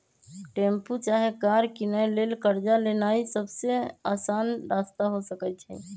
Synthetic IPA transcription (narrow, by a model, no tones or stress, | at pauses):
ʈẽːmput͡ʃaːɦekaːɾkinəeleːlkəɾd͡ʒaleːnaːisəbseaːsaːnɾaːst̪aɦosəkət͡ʃʰɛ̰